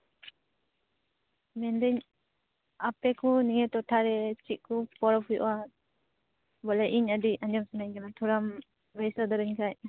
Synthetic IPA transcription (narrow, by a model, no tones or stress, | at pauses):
mɛnd̪ɛɲ | apɛkʰuniŋɛt̪ɔʈʰaɾɛt͡ʃiʔ̚kʰupɔɾɔpʰuj̰ʔwa | bɔlɛʔiɲadiaɲd͡ʒɔmsanaɲkanat̪ʰuɾam | bɛjsɔd̪ɔɾɛɲkʰaj̚